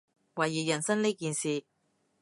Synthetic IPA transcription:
wɐ˨˩jːiː˨˩jɐ˨˩nsɐ˥nliː˥kiː˨nsiː˨

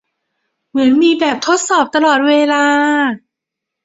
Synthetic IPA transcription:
mɯ˩˦ənmiː˧bɛː˨˩p̚t̪ʰo˦˥t̪̚sɔː˨˩p̚t̪a˧lɔː˨˩t̪̚weː˧laː˧

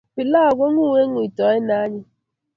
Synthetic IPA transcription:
pɪ˨la˦˨ɡʷɔ˦ŋʷu˦ŋe˦ŋʊ˨i˨tɔ˨˦ɪ˦na˦ɲɪ˦

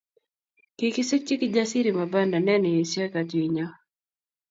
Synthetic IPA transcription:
kikɪ˦sɪ˦k̚t͡ʃi˦kd͡ʒasi˦ɾima˨ba˦nda˨nɛ˦nɔ˨je˨sja˦ka˨d͡ʒwi˨ɲa˦

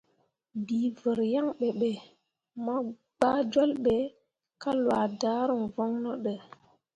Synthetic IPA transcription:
biː˨və˨ɾja˦ŋɓe˨ɓe˨ | ma˦ | ɡ͡ba˦d͡ʒo˦lɓe˨˦ | ka˦lwa˨da˦ɾə˨vɔ˦ŋnɔ˦ɗə˨

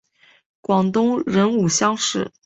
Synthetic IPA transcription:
kwɑ˨˩ŋt̪ʊ˥ŋɻə˧˥nu˨˩ɕjɑ˥ŋʂɻ̩˥˩

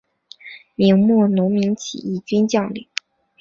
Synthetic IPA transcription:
mi˧˥ŋmwɔ˥˩nʊ˧˥ŋmi˧˥ŋt͡ɕʰḭ˨˩i˥˩t͡ɕy˥nt͡ɕjɑ˥˧ʊly̰˥˩˦

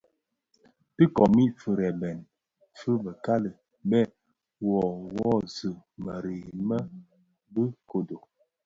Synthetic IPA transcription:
ti˦kɔ˨mi˦fɨ˨ɾɛ˨bɛ˨n | fɨ˦bə˨ka˦lə˨ | bɛ˦˨ | wɔ˨wɔ˦zɨ˨mə˨ɾeː˨mə˦ | bə˦ko˨do˨

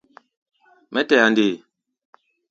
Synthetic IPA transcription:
mɛ˦tɛ˨a˨nde˨

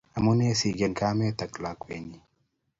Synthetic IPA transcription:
a˨mu˦ne˦si˨ɡe˨nka˦me˦t̪a˨kla˨kwe˨ni˨

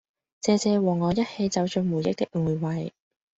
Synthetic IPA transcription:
t͡sɛː˧t͡sɛː˧wɔː˨˩ŋːɔː˨˧jɐ˥t̚he˧jt͡sɐ˨˧wt͡ʃɵ˧ŋmuː˨˩jɪ˥k̚t̪ɪ˥k̚ŋuː˨˩jwɐ˨j

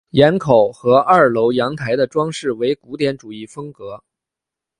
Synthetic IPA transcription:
jɛ˧˥nkʰo˨˩ʊxɤ˧˥ʔɐ˞˥˩lo˧˥ʊjɑ˧˥ŋt̪ʰa˧˥ɪd̪ə˧ʈ͡ʂwɑ˥ŋʂɻ̩˥˩we˧˥ɪku˧˥t̪jɛ˧˥nʈ͡ʂu˨˩i˥˩fɤ˥ŋkɤ˧˥

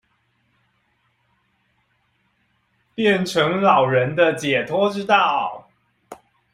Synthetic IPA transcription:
pjɛ˥˨nʈ͡ʂʰɤ˧˥ŋlɑ˨˩ʊɻə˧˦nd̪ə˧t͡ɕjɛ˨˩t̪ʰɔ˥ʈ͡ʂɻ̩˥t̪ɑ˥˩ʊ

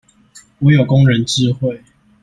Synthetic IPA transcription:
wɔ˨˦jo˨˩kʊ˦ŋɻə˨˦nt͡ɕi˥˦xwe˥˨ɪ

